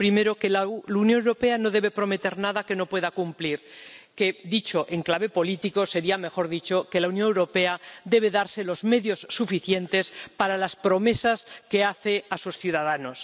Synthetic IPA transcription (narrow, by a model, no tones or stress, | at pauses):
pɾime̞ɾo̞kelunjonewɾopeano̞ðe̞β̞e̞pɾo̞me̞t̪e̞ɾnaðake̞no̞pwe̞ðakumpliɾkeðit͡ʃo̞ʔe̞ŋklaβe̞po̞lit̪iko̞se̞ɾiame̞xo̞ɾðit͡ʃo̞ke̞launjoŋewɾo̞pe̞aðe̞β̞e̞ðaɾse̞lo̞zme̞ðjo̞sːufiθje̞nt̪e̞spaɾalaspɾo̞me̞saske̞aθe̞asusθjuðaðano̞s